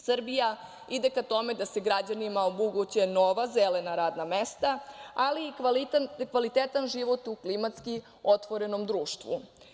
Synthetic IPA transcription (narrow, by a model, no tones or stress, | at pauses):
sr̩bija | id̪e̞kat̪o̞me̞d̪ase̞ɡɾad͡ʑanimaomuɡut͡ɕeno̞ʋazele̞naɾaːd̪namest̪aaliː | kʋalit̪et̪anʒiʋo̞t̪uklimat̪ski | o̞t̪ʋo̞ɾe̞no̞md̪ɾuːʃt̪ʋṵ